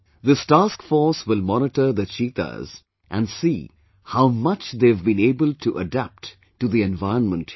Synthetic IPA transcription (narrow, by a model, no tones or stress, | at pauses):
ðɪstaːskfɔɾswɪlmɔnɪʈəɾd̪ət͡ʃiːt̪ə̰z | ʔæ̃nɖsiː | haʊmʌt͡ʃd̪evbĩneːbəlʈʰuʔəɖæp̚ʈ | ʈːuðiɛ̃nvaɪənmə̃nt